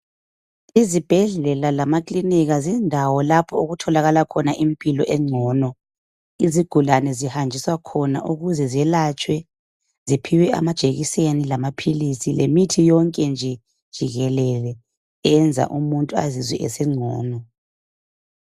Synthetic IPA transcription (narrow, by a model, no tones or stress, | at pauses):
izib̥ʱɛɮɛlalamakʼliniɣazindʱawɔlapʰɔuɣutʰɔlaɣalakʰɔnaʔimpʼilɔʔɛŋ͡ǀʱɔːnɔ | iziɡ̥ʱulanɛzihand͡ʒʱiswakʰɔna̰ʔuɣuzɛzɛlat͡ʃʼwɛ | zipʰiwɛa̰mad̥ʒ̥ʱeɣisenilamapʰilisilemitʰijɔŋkʼɛnd͡ʒʱɛ | d̥ʒ̥ʱiɣɛlɛlɛ | ɛnd͡zʱa̰ʔumuntʼua̰zizwɛ̰ʔɛ̰sɛŋ͡ǀʱɔ̰ːnɔ